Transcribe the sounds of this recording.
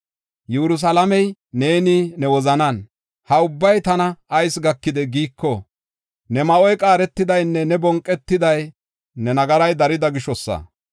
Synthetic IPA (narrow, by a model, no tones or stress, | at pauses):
jɛɾʊs̬ɐlɐmɛjne̞ːniːnɛwɔzɐnɐn | hɐʊbːɐjt̪ɐnɐːjsɡɐkːɪd̪ɛɡiːkʰːɔ | nɛmɐʔɔjkʼaːɾɛt̪ːɪd̪ɐjnːɛnɛbɔŋkʼːɛt̪ːɪd̪ɐj | nɛnɐɡɐɾɐjd̪ɐɾɪd̪ɐɡɪʃɔsːɐ̰